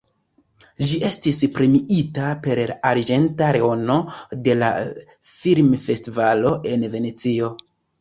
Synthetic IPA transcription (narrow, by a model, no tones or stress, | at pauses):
d͡ʒiʔe̞stispɾimiʔitape̞ɾlaaɾid͡ʒe̞ntaɾeo̞no̞de̞la̰ | filmfe̞stivalo̞ʔe̞nve̞ne̞t͡sio̞